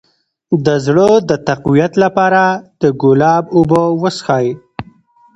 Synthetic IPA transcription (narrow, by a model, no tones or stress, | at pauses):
d̪əzɽəd̪ət̪aqwijat̪lapɑɾad̪̥əɡʊlɑbʊbowəsxɑj